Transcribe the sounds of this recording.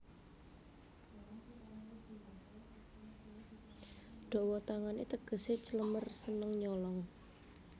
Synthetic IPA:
ɖ̪̥ɔ̤wɔt̪aŋanit̪əɡ̥ə̤set͡ʃələmərsənəŋɲɔlɔŋ

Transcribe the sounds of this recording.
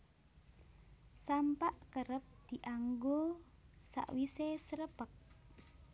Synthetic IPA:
sampaʔkəɾəp̚d̪̥iʔaŋɡosa̰ʔwisesəɾəpək̚

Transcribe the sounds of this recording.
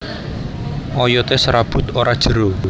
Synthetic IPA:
ʔɔjɔt̪esɾab̥ʊ̤t̪oɾad̥ʒ̥ə̤ɾo

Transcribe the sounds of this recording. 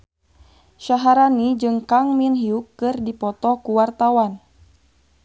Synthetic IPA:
ʃaɦaɾanid͡ʒɨŋkaŋminɦiukːɨrdipɔt̪ɔkuwart̪awan

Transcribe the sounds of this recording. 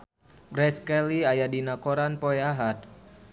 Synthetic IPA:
ɡɾɛskɛliajadinakoɾanpoɛaɦat̪̚

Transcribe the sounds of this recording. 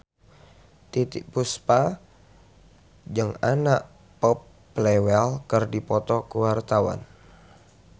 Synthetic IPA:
t̪it̪iʔpuspa | d͡ʒɨŋanaʔ | pɔpː | lewɛlkərdipɔt̪ɔkuwart̪awa̰n

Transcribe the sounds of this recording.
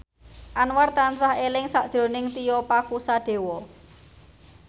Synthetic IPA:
ʔanwart̪ansaɦelɪŋsaʔd̥ʒ̥ɾo̤nɪŋt̪ijɔpakusaɖ̥e̤wɔ

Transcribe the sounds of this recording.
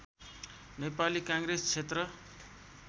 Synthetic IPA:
nepalikãŋɡrest͡sʰet̪rʌ

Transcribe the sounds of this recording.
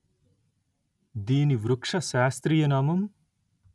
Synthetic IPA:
d̪iːniʋɾukʂɐʃaːst̪ɾijɐnaːmɐm

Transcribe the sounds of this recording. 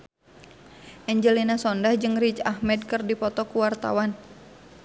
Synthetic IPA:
ʔɛɲd͡ʒəlinasɔndahd͡ʒɨŋɾit͡ʃahmɛdkɨrdipɔt̪ɔkuwart̪a̰wan

